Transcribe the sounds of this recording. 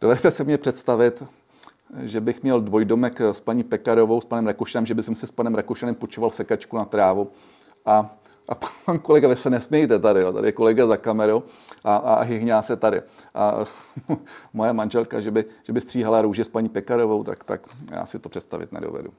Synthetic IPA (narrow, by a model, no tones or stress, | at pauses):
d̥ovɛdɛt̪ɛsɪmɲɛpr̥ɛt̪st̪avɪt̪ | ʒɛbɪxmɲɛldvo̞jdomɛkspaɲiːpɛkaɾovowspanɛmɾakowʃanɛmʒɛbɪsɛmsɪspanɛmɾakoʃanɛmpot͡ʃovalsɛkat͡ʃkunat̪ɾaːvu | ʔa | ʔapapankolɛɡavɪsɛnɛsmɲɛjt̪ɛt̪adɪjot̪a̰dɪ̰jɛko̞lɛɡazakamɛɾow | ʔaa̰ɦɪɦɲaːsɛt̪adɪ̰ʔa̰ | mojɛmanʒɛlkaʒɛbɪʒ̥ɛbɪst̪r̥iːɦalaɾuːʒɛspaɲiːpɛkaɾo̞vowt̪a̰kt̪a̰kja̰ːsɪt̪opr̥ɛt̪st̪a̰vɪ̰t̪nɛ̰do̰vɛ̰dṵ